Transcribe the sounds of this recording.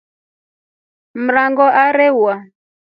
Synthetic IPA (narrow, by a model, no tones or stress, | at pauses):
m̩ɾaŋɡɔʔaɾɛwa